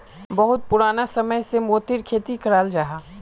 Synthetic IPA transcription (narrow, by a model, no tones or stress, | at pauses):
bɐɦʊt̪̚pʊɾaːnasɐməjsemoːt̪ɪɾkʰeːt̪ikɐɾaːld͡ʒaːɦaː